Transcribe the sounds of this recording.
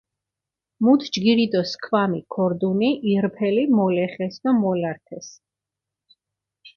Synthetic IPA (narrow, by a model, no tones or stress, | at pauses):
mut̪ʰd͡ʒɡiɾid̪ɔskʰvamikʰɔɾd̪uniʔiɾpʰɛlimɔlɛχɛsd̪ɔmɔlaɾt̪ʰɛs